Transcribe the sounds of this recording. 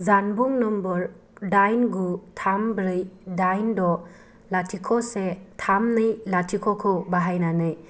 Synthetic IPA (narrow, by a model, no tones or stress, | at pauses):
zanbuŋnɔmbɔɾ | dajnɡutʰambɾɯjdajndɔ | latʰikʰɔsetʰamnɯjlatʰikʰɔkʰɯbaɦajnanɯj